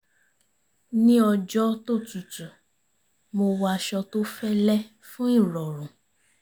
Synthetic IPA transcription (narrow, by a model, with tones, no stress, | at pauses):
nĩ˦ɔ˧d͡ʒɔ˦to˦˨tu˨tu˨ | mo˧wa˧ʃɔ˧to˦fɛ˦lɛ˦ | fũ˦i˦˨ɾɔ˨ɾũ˨